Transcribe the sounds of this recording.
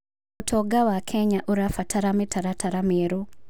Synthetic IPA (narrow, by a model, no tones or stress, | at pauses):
otʰɔɡawakʰɛɲaʔoɾafatʰaɾametʰaɾatʰaɾameɾo